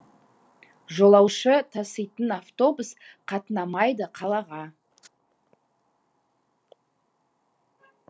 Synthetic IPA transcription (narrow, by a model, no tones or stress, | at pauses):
ʒo̞lˠɑwʃət̪ʰɑsəjt̪ənaft̪o̞busqʰɑt̪ənɑmɑjd̪əqʰɑlˠɑʁɑ